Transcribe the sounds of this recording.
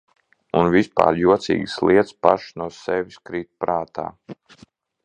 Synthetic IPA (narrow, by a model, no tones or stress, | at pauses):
unvispa̰ːɾjuɔt̪sḭːɡsliɛt̪spaʃnuɔsɛʋiskɾiːt̪̚pɾaːt̪a̰ː